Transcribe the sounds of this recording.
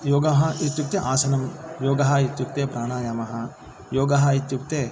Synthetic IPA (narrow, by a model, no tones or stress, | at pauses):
joːɡɐɦɐit̪juk̚t̪eʔaːsɐnɐmjoːɡɐɦɐit̪jukt̪eːpɾaːnaːjaːmɐɦɐ̆ | joːɡɐɦɐit̪juk̚t̪eː